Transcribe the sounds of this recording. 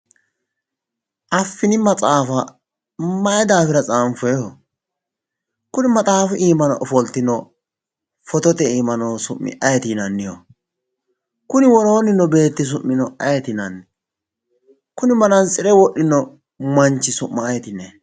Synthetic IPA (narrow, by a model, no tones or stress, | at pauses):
ʔɐfːɪnɪmɐt͡sʼaːfɐ | mɐjɛd̪aːfɪɾɐt͡sʼaːmfɔjɔɔ | kʊnɪmɐt̪ʼaːfʊʔiːmɐnɔʔɔfɔlt̪ɪnɔ | fɔt̪ɔt̪ɛiːmɐnosʊmːɪ̰ʔɐjɛt̪iːnɐnːɪjɔ̰ | kʊnɪwɔɾoːnɪnːɔbe̞ːt̪ːɪs̬ʊmːɪnɔʔɐjɛt̪ɪnɐn | kʊnɪmɐnɐnt͡sʼɪɾɛwɔɗːɪnːɔ | mɐnt͡ʃːɪsʊmːɐːjɛt̪ɪnːɛ